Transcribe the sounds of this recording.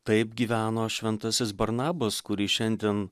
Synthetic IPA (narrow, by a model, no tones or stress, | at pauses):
t̪ɐɪp̚ɡʲiːʋʲæːnoːʃʲʋʲɛnt̪ɐsʲɪsbɐɾnɑːbɐskʊɾʲiːʃʲɛnʲd̪ʲiɛn